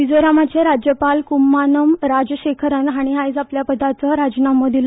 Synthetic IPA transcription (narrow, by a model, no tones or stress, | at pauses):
id͡zoɾamat͡ɕeɾad͡ʑjəpalkumːanəmɾad͡zɕekʰəɾənɦaɽ̃iɦajd͡zapljapəd̪ʱat͡səɾad͡znaməd̪il